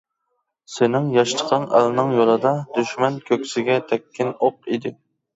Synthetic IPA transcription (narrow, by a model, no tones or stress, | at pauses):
senɪŋjɑʃt̪ʰə̥qʰɑnæ̰lɪnɪŋjolˠɨd̪ɑd̪yʃmɛnkʲʰøkʲsɪɡʲɛt̪ʰɛkʲʰːɪnoqid̪ɪ